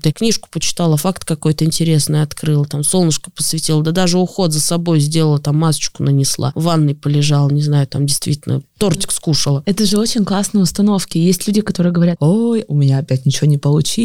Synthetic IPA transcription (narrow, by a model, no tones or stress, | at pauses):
d̪aknʲiʂkʊ̥pət͡ɕɪ̥t̪alˠəfakt̪kɐko̞jt̪əɪnʲtʲɪɾʲe̞snɨjɐt̪kɾɨlˠət̪amsolˠnəʂkə̥pəsvʲɪtʲilˠəd̪əd̪aʐɨʊxo̞t̪zəsɐbo̞jzʲdʲe̞lˠəlˠət̪amːast͡ɕɪ̥kʊnənʲɪslˠa̰vanːɨjpəlʲɪʐalˠənʲɪznajʊt̪amdʲɪjst̪vʲitʲɪlʲnə̰t̪o̞rtʲɪ̥kskuʂəlˠəɛt̪əʐɨo̞t͡ɕɪnʲklˠasnəjʊst̪ɐno̞fkʲɪjesʲtʲlʲudʲɪkɐt̪o̞ɾɨjəɡəvɐɾʲat̪ojʊmʲɪnʲaɐpʲæt̚ʲnʲɪt͡ɕɪvonʲɪpəlˠʊt͡ɕi